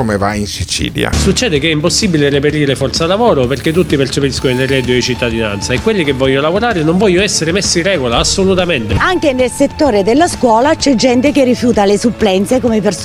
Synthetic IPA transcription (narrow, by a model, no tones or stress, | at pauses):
komeva̰insit͡ʃḭːlja̰sut͡ʃːɛːd̪ekɛimposːibːilerepeɾiːɾefɔrt̪salːavɔːɾʊperket̪̬ːut̪ːipert͡ʃepɾiskononerɛːd̪joet͡ʃit̪ːad̪ina̰nt̪saekːwelːikevːɔʎːoolavoɾaːɾɪnoɱvɔʎːɛsːeɾemesːirːɛːɡolaːsːolut̪ament̪eaŋk̟enelset̪ːoːɾed̪elːaskwɔːlat͡ʃɛd͡ʒːɛnt̪ek̟erːifjuːt̪alesuplɛnt̪sekomeper